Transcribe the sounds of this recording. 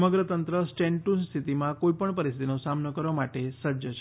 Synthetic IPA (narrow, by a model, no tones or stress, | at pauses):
məɡɾət̪ənt̪ɾəsʈeɳʈust̪ʰit̪imãkoipəɳpəɾist̪ʰt̪inosamnəkəɾʋamaʈesəd͡ʒət͡ʃʰ